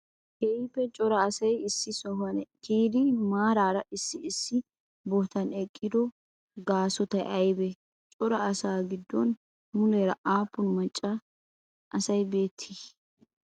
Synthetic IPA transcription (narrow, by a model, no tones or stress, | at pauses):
hɛɪpːɛt͡ʃʼɔɾɐːsɐjɪsːɪsɔɦɐnɛkiːd̪ɪmaːɾaːɾɐʔɪsːɪːsːɪ | bɔt̪ɐnɛkʼːɪd̪ɔ | ɡaːsɔt̪ɐjʔɐjbɛ | t͡ʃʼɔɾɐɐsaːɡɪd̪ːɔn | mʊlɛɾɐʔaːpːʊnmɐt͡ʃʼːɐ | ʔɐsɐjbe̞ːt̪ʰːis